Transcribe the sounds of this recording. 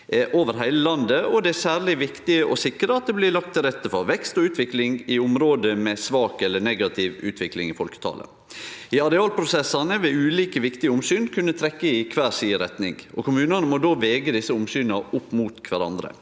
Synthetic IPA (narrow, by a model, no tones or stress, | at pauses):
ʔoːʋəɾɦæɪləlɑnd̪əɔd̪ɛæsæːɾɭɪʋɪkt̪ɪəʔɔsɪkːɾəɑt̪̚d̪ɛblɪlɑk̚t̪ʰːɪlɾɛt̪ːəfɔɾʋɛkst̪ɔʉːt̪ʋɪklɪŋɪʊmɾoːd̪əmɛsʋɑːkɛlːənɛɡɑt̪ʰɪʋʉ̰ːt̪ʰʋɪklɪŋɪfɔlkə̥t̪ʰɑ̰ːlə̰ | ɪɑɾɛɑːlpʰɾʊsɛsːɑnəʋɛʉːliːkəʋɪkt̪ɪəʊmsyːnkʰʉnːət̪ʰɾɛkːəɪkʰʋæːɾsiːəɾɛt̪nɪ̰ŋɔ̰kʰʊmʉːnɑnəmɔd̪oːʋɛːɡəd̪ɪsːəʊmsyːnɑʊpːmuːt̪kʰʋæɾɑ̰nd̪ɾə̰